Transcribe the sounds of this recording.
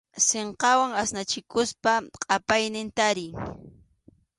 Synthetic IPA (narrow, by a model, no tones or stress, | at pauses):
seɴqɑwaŋasnat͡ʃɪkʊspaqʼɑpajnɪnt̪aɾɪj